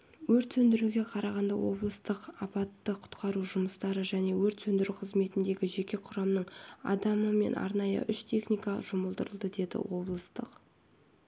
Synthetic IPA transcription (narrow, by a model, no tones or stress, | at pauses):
wɵɾt̪sɵnd̪ɪɾuɡʲe̞qʰɑɾɑʁɑnd̪ɑwo̞̰blˠəst̪əqɑpɑt̪ːəqʰʊ̥t̪qɑɾuʒʊməst̪ɑɾəʒæne̞wɵɾt̪sɵnd̪ɪɾuqʰəzme̞t̪ɪnd̪e̞ɡʲɪʒe̞kʲe̞qʰʊɾɑmnəɴɑ̰d̪ɑməme̞̰nʔɑ̰ɾnɑjə̰ʔʏʃt̪ʰe̞χnʲijkaʒʊməlˠd̪əɾəlˠd̪əd̪e̞d̪ɪ̰wo̞blˠəst̪əq